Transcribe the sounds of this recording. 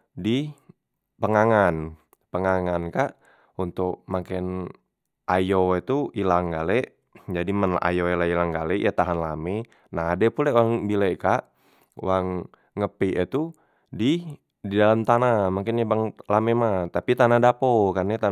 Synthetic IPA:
di | pəŋaŋan | pəŋaŋankaʔ | unt̪ʊk̚makɛn | ʔajoit̪uilaŋɡalɛʔ | d͡ʒadimana̰joalailaŋɡalɛʔjat̪aɦanlamɛ | naɦadɛpulɛwaŋbilɛʔkaʔ | waŋː | əpiʔit̪u | di | didalamt̪anamaŋkɪnjabaŋlamɛmat̪apit̪anadapokarɲɛt̪a

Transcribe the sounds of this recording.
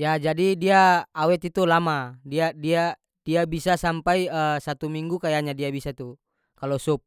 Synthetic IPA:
jad͡ʒadidiaːwɛt̪it̪ulamadiadia | diabisasampaiəsat̪umiŋɡukajaɲadiabisat̪u | kalɔsup̚

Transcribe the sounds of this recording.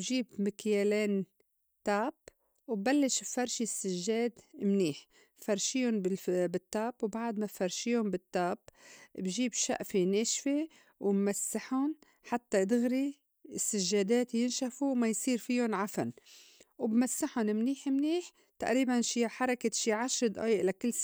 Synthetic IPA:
bʒiːbmɪkjeːleːn | t̪aːb | wbbalːɪʃbfɑɾˤʃisːɪʒːeːd̪mniːħ | fɑɾˤʃiːʊnbɪbɪt̪ːaːbwbaʕd̪mafɑɾˤʃiːʊnbɪt̪ːaːbbʒiːbʃa̰ʔfeneːʃfe | wɪmmasːaħʊn | ħat̪ːad̪ɪɣɾi | ɪsːaʒːaːd̪eːt̪jɪnʃafuwmajsˤiːɾfijʊnʕafanwbmasːaħʊnmniːħmniːħ | t̪aʔɾiːbanʃiːħɑɾˤɑkaʃiːʕaʃɾd̪ʔa̰ːjʔlakɪlː

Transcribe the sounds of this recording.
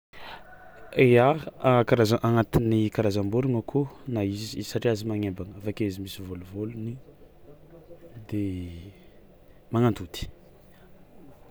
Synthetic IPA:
eaakaɾazaʔaŋat̪inikaɾazambuɾiŋakʰunaizizisaʈ͡ʂiazimaŋebaŋəafakezimisivoluvoluni | d̪e | maŋant̪ud̪̥i̥

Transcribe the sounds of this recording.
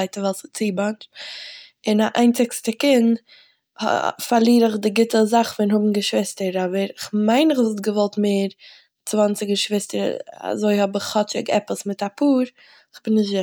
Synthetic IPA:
aɪtəvɛlˠsət͡siːbant | ɪnaʔa̰ɪnt͡sɪkstəkɪnd | hfaɾlˠiːɾɪχdɪɡɪtəzaχvɛnhʊbm̩ɡəʃvɪstəɾɔbəɾɪχmaɪnɪχzt̚ɡəvɔlˠtmeːɾ | t͡svant͡sɪɡəʃvɪstəɾ̰a̰zoɪhɔbɪχɔt͡ʃɪɡɛ̰pəsmɪtapʰuːɾ | ɪχbɪnːɪʃzɪ

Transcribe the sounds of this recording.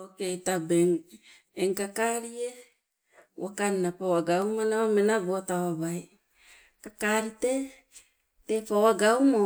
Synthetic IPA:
okejtabeŋ | eŋkakaɾie | wakannapawaɡawmanamenabotawabaj | kakaɾite | tepawaɡawmo

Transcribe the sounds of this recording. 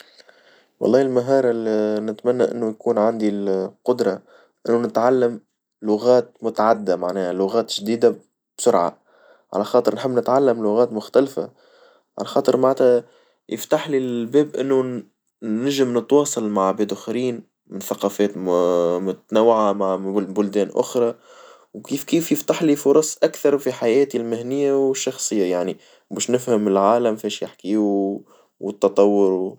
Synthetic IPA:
wɑ̰lˤːɑːɪlmaɦɑːɾˤɑlnɪt̪mænːaʔɪ̰nːujkuːnʕand̪iqʊd̪ɾˤɑ | ʔɪnːunɪt̪ʕalːɪm | lʊɣæːt̪mʊt̪aʕad̪ːamaʕnɛːhalʊɣæːt̪ʒd̪iːd̪a | b̥sʊɾʕa̰ | ʕa̰læxɑːt̪ˤɨɾnħɪbːnɪt̪ʕalːamlʊɣæːt̪mʊxt̪ælfa̰ | ʕa̰læxɑːt̪ˤɨɾmaʕt̪æ | jɪft̪aħlilbɛːbʔɪnːu | nɪʒɪmnət̪wɑːsˤɑlmaʕbæd̪ʊxɾiːn | mɪnθaqɑːfɛːt̪mʊt̪nawːʕamaʕbʊld̪ɛːnʔʊ̰xɾˤɑ | wkiːfkiːfjɪft̪aħlifʊɾˤɑsˤʔakθɑɾˤfiħajɛːt̪ilmɪhnɪjːawʃːɑxsˤɨjːajaʕni | bɛːʃnɪfhəmɪlʕaːlamfɛːʃjɪħkiːu | wɪt̪ːɑt̪ˤɑwːʊɾ

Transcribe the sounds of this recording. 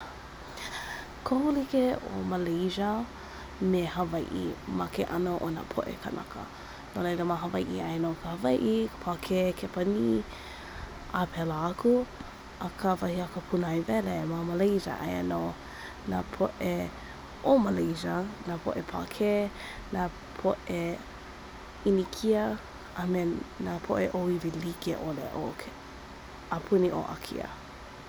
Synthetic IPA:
kʰohulikeo̰məlejzə | mehɐvajʔḭmɐkeʔɐnoʔona̰pʰo̰ʔḛkʰə̰nɐ̰kʰə̰ | nolejləmaɦɐvajʔiajnokʰəhɐvajʔikʰə̥pʰakʰekʰepɐni | apʰɛlaaku | əkʰəvɐhiakəpʰunajvɛlemaməlejzə̰ʔa̰jə̰no | na̰pʰoʔe | ʔoməlejzɐnapʰo̰ʔepʰa̰kʰe | na | pʰoʔe | inikʰiə | ʔamenapʰo̰ʔeʔoivilikeʔolḛʔok | apʰuniʔo̰ʔa̰kʰḭə̰

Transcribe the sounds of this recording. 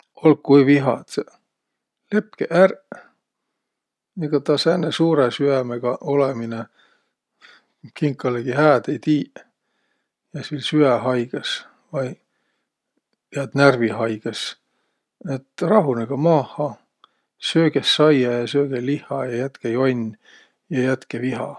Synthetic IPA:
olkːujviɦɑ̰t̪ | le̞pkeʔær | eɡ̥ɑt̪ɑsænːesuːɾesyæmeɡ̥ɑʔolemine | kiŋkˑːɑleɡ̥iɦæːd̪ejt̪iː | jɑsilsyæɦɑjɡ̥ɑs | vɑj | pæd̪nærviɦɑjɡ̥es | et̪rɑɦuneɡ̥ɑmɑːhɑ | søːɡ̥esːɑjɑjɑsøːɡ̥elihˑɑjɑjæt̪kejonʲ | jɑjæt̪keviɦɑ̰

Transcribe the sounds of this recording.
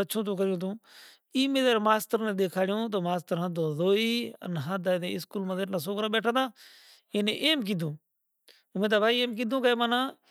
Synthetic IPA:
ət͡ʃʰõːt̪̬ũːkəɾjõːt̪ʰũː | iːmẽːzəɾmaːst̪əɾnẽːɗ̪eːkʰaːɽjõːt̪̬oːmaːst̪əɾɦə̃d̪õːzoːiːə̰nɦãd̪aːd̪ḛːɪskuːlmãːzeːʈlãːs̬oːɡɾãːɓeːʈʰãːd̪ãː | ẽːnẽʔeːmk̬iːd̪ʱũː | mẽːt̪̬aːbʱaːiːeːmk̬iːd̪ʱõːkəeːmãːnãː

